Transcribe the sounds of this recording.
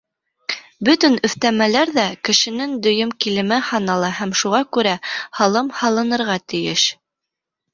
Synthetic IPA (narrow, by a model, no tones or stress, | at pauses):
bɵt̪ɵnɵ̆θt̪æmælæɾðækɘ̆ʃɘ̆nɘŋd̪ɵ̆jɵmkilɘ̆mɘhɑnɑlˠɑhæmʃuʁɑkʉɾæhɑlˠɤmhɑlˠɤ̆nɤ̆ɾʁɑt̪ɘ̆jɘʃ